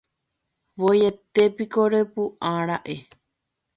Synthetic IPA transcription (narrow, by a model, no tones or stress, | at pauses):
ʋojet̪epikoɾepuʔãɾaʔe